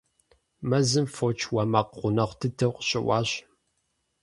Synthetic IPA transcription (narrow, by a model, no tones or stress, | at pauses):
mɐzɨmfot͡ʃʰwɐmɐqʁʷʊnɐχʷtʰɨtʰɨqʷɕʼɪ̰wɑːɕ